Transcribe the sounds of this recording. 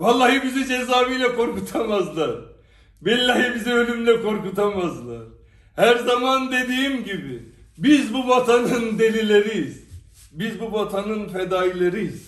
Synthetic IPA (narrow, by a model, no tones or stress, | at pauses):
valˠːajɯbizid͡ʒezaːvijlʲɛkʰo̞ɾkut̪ʰamazlˠaɾ | bɛlʲlːaɦɯbiziø̞lʲymlʲɛkʰo̞ɾkut̪ʰamazlˠaɾ̥ | hæɾzamand̪e̞d̪iːmɟibɪbizbubat̪ʰanɯnd̪e̞lʲilʲe̞ɾijiz̥ | bizbubat̪ʰanɯnfed̪aːjilʲˠeɾijiz̥